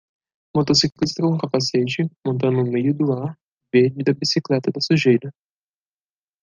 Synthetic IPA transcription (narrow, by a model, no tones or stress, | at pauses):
mot̪osiklist̪ɾoũkapaset͡ʃɪmõnt̪̬ɐ̃nd̪ʊmejʊd̪ʊaɾ | ved͡ʒid̪ɐbisiklɛt̪ɐd̪ɐsuʒejd̪ɐ